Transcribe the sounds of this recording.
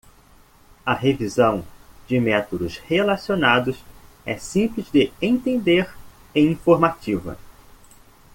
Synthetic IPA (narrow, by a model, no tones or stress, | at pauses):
ɐɦevizɐ̃w̃d͡ʒɪmɛt̪od̪ʊshelasionad̪ʊs | ɛsĩplɪzd̪ɪẽt̪ẽnd̪eɾ | ẽj̃ĩfoɾmat͡ʃivɐ̰